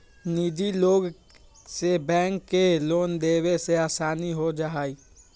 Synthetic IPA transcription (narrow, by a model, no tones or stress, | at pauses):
nid͡ʒiloːɡ | sebɛ̃ːŋkːeloːnd̪eweseaːsaːniɦod͡ʒaɦai